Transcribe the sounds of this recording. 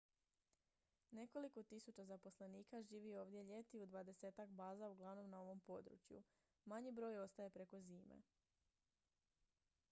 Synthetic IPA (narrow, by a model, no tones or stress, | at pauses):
ne̞ko̞liko̞t̪isut͡ɕazapo̞sle̞niːkaʒiːʋio̞ːʋd̪je̞ʎe̞t̪iud̪ʋad̪e̞se̞ːt̪akbaːzauɡlˠaʋno̞mnao̞ʋo̞mpo̞d̪ɾṵt͡ɕjṵ | maɲibɾo̞ːjo̞st̪aje̞pɾe̞ko̞ziːmḛ